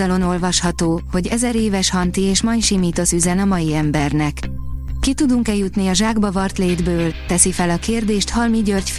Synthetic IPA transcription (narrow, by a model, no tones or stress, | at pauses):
ɒlo̞no̞lvɒʃhɒt̪oːho̞ɟɛzɛɾeːvɛʃhɒnt̪ieːʃmɒjʃimiːt̪o̞syzɛnɒmɒjiɛmbɛrnɛkːit̪ud̪uŋkɛjut̪niɒʒaːɡbɒvɒrt̪leːd̪bøːlt̪ɛsifɛlɒkeːrd̪eːʃt̪hɒlmiɟørcf